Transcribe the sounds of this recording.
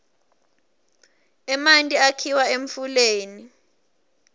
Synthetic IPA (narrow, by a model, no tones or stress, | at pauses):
ɛmantʼiakʰiwaeɱfuleːni